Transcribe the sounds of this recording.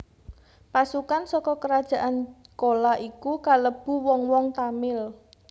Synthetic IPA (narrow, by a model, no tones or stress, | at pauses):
pasukansɔkɔkəɾad̥ʒ̥ä̤ʔankolaʔikukaləb̥ṳwɔŋwɔŋt̪amɪl